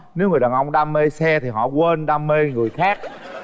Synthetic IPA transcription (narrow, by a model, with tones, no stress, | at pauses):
ne˨˦wŋɨ˨˩jɗaː˨˩nʔə˧wŋ͡mɗaː˧me˧sɛ˧t̪ʰi˨˩ɦɔ̰˧˨kwe˧nɗaː˧me˧ŋɨ˨˩əjxaː˦˥k̚